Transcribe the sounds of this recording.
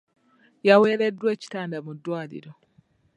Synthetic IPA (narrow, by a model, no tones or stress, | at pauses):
jawe̞ːɾedːweːci̥taːndamudːwaːlḭɾo